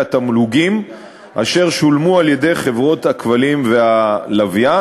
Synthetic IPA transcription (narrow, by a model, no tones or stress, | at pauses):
at̪amluɡim | ʔa̰ʃe̞ʁʃulmualje̞de̞jχe̞vʁo̞t̪hakvalimve̞alavja